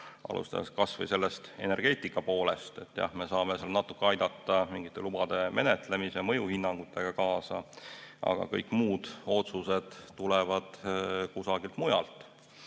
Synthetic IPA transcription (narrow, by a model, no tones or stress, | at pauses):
ʔɑ̰lṵst̪ɑ̰d̪eskɑsvɤ̰jse̞lːest̪e̞ne̞rɡ̥e̞ːt̪ːˑikːˑɑpo̞ːle̞st̪e̞t̪ːˑjɑ̰hme̞sɑːme̞selnɑt̪ːˑukːˑeɑjd̪̥ɑt̪ˑːɑmiŋɡit̪ˑːe̞lubɑd̪̥e̞me̞net̪ˑle̞misemɤ̞juhinːɑŋɡ̥ut̪ʰˑːe̞ɡ̥ɑkɑːsɑ̰ʔɑ̰ɡ̥ɑ̰kɤ̰jkːˑmuːd̪̥o̞t̪suse̞d̪̥ːulevɑd̪̥kusɑɡilt̪mujɑ̰lt̪ˑ